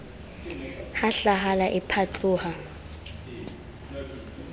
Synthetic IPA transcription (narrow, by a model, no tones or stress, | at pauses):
haɬaɦalaʔɪpʰat͡ɬʼuːha